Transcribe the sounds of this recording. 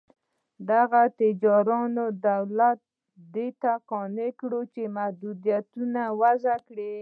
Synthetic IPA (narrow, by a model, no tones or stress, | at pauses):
d̪aɣat̪ɪd͡ʒɑɾɑnod̪awlat̪̚ | d̪et̪aqɑnekɽot͡ʃemahd̪ud̪jat̪unawazakɽe